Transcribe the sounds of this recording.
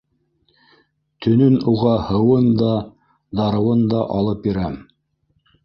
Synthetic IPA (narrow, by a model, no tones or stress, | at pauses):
t̪ɵ̆nɵnuʁɑhɤ̆wɤnd̪ɑ | d̪ɑɾɤ̆wɤnd̪ɑʔɑlˠɤp̚jiɾæm